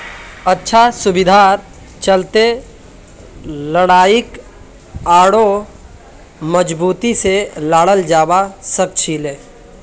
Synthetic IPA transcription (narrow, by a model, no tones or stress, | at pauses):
ətːʃʰasʊbɪd̪ʱaːɾ | t͡ʃəlt̪e | ləɽaːɪk | aːɽo | məd͡ʒbuːt̪iselaːɽəld͡ʒaːwasək̚t͡ʃʰiːleː